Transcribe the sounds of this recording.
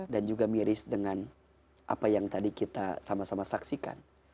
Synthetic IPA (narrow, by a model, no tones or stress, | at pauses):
dand͡ʒuɡamiɾɪsdəŋan | ʔa̰pajaŋt̪adikit̪a̰samasamasaksika̰n